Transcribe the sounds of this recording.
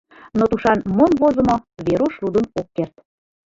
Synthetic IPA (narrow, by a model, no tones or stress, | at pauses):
not̪uʃɑnmonβozə̆moβeɾoʃlud̪ənokːert̪̚